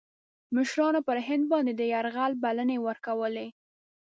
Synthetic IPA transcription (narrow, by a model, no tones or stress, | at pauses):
mɪʃɾɑnopəɾɦɪnd̪̚bɑnd̪ed̪əjaɾɣalbalənewəɾkawəle